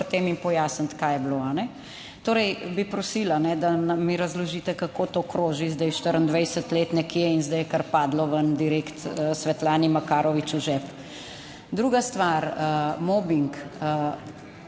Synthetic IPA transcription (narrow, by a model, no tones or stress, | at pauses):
ɾt̪eːmimpɔjaːsənt̪kaːjɛbloːanɛ | t̪oːɾɛjbipɾɔsiːlanɛd̪anɐmiɾɐzlɔʒiːt̪ɛkakot̪oːkɾoːʒizd̪ɛjʃt̪əɾənd̪ʋəjsət̪leːt̪nɛkjɛinzd̪ɛjɛkaɾpaːd̪lɔʋənd̪iɾeːkt̪əsʋɛt̪laːnimakaːɾɔʋit͡ʃuʒɛp | d̪ɾuːɡast̪ʋaɾəmoːbiŋkə